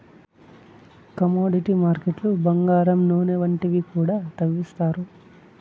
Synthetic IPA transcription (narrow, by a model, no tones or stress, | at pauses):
kɐmoːɖiʈimaːɾkeʈlubɐŋɡaːɾɐmnoːneʋɐɳʈiʋikuːɽaːt̪ɐʋːist̪aːɾu